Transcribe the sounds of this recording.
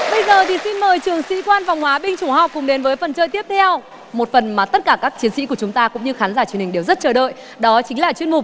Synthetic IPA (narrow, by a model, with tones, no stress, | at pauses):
ɓə˧jzəː˨˩t̪ʰi˨˩si˧nməː˨˩jt͡ɕɨ˨˩əŋsḭ˧˥kwaː˧nfa˨˩wŋ͡mhwaː˨˦ɓï˧ŋ̟t͡ɕu˧˩hɔ˨˩wk͡p̚kːʊ˨˩˦ŋ͡mɗe˨˦nvəː˨˦jfə˨˩nt͡ɕəː˧jt̪i˦˥əp̚t̪ʰɛ˧w | mo˨˩t̚fə˨˩nmaː˨˩t̪ə˦˥t̚kaː˧˩kaː˦˥k̚t͡ɕi˨˦ənsḭ˧˥ku˧˩ət͡ɕʊ˨˦ŋ͡mt̪aː˧kʊ̰˧˥ŋ͡mɲɨ˧xaː˨˦nzaː˧˩t͡ɕwnhï˨˩ŋɗe˨˩wzə˦˥t̚t͡ɕəː˧˩ɗə̰˧˨j | ɗɔ˨˦t͡ɕï˨˦ŋ̟laː˨˩t͡ɕwi˧nmʊ˨˩k͡p̚